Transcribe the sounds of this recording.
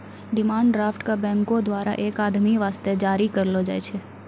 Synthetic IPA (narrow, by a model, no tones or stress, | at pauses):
ɖɪmãːɳɖɖɾaːfʈkabɛ̃ŋkod̪ʋaːɾa̰ʔekaːd̪miʋaːst̪ed͡ʒaːɾikəɾlod͡ʒa̰ːjt͡ʃʰe